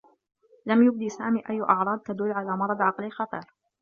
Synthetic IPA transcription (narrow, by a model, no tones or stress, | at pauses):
lamjʊb̚d̪iːsaːmiːʔajːʔɑʕɾˤɑːd̪̚t̪ad̪ʊlːʕalaːmɑɾˤɑd̪ˤʕɑqlixɑt̪ˤḭːɾ